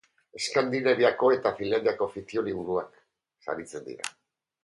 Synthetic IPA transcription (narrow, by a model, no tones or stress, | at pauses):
e̞skand̪ineβiako̞e̞t̪afinlːand̪iako̞fit͡sioliβ̞uɾuak | sa̰ɾit͡se̞nd̪ḭɾa̰